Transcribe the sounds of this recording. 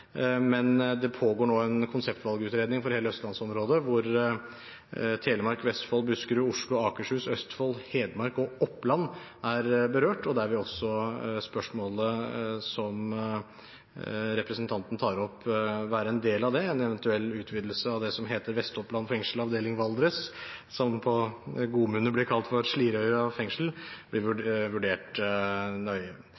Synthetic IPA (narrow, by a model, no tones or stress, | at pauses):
mɛnd̪ɛpʰoːɡoːɳoːɛnkʰʊnsɛpt̪ʋɑlɡəʉːt̪ɾeːd̪nɪŋfɔɾheːləœst̪lɑnsɔmɾoːd̪əʋʊɾ | t̪ʰeːləmɑɾkʋɛst̪foːlbʉskəɾʉʊʂlʊɑːkəʂhʉːsœst̪foːlheːd̪mɑɾkɔɔpːlɑnːæɾbəɾøːʈɔd̪ɛæɾʋɪɔsːɔspœʂmoːləsɔm | ɾɛpɾəsənt̪ʰɑnt̪ən̩t̪ʰɑːɾɔpːʋæːɾəɛnd̪eːlɑʋd̪ɛɛnɛʋɛnt̪ʉɛlːʉːt̪ʰʋiːd̪l̩səɑʋd̪ɛsɔmɦeːt̪əɾʋɛst̪ɔplɑnfɛŋʂl̩ɑʋd̪eːlɪŋʋɑld̪ɾəssɔmpʰɔɡuːmʉːnəblɪɾkʰɑlt̪fɔɾʂliːɾœʏəɾəɑfɛŋʂəl̩b̥lɪʋʉʋʉɖeːʈ | nœʏ